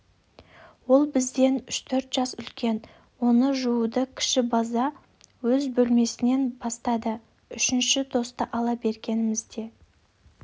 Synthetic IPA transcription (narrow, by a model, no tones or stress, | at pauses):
wo̞lˠbɪzd̪e̞nʏʃt̪ʰɵɾt̪ʒ̥ɑsʏlkʲe̞n | wo̞nəʒuud̪əkʲʰɪ̥ʃɪbɑzɑ | wɵzbɵlme̞sɪne̞nbɑst̪ɑd̪ə | ʏʃɪnʃɪt̪ʰo̞st̪ɑʔɑlˠɑbe̞ɾɡʲe̞nɪmɪzd̪e̞